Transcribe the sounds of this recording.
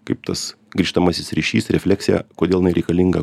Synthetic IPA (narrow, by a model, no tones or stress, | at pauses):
kɐɪp̚t̪ɐs | ɡɾʲiːʃt̪ɐmɐsʲɪsɾʲiːʃʲḭːsɾʲɛfʲlʲæksʲɪjɛ̰koːd̪ʲeːlˠnʲɛɪɾʲɛɪkɐlʲɪŋɡɐ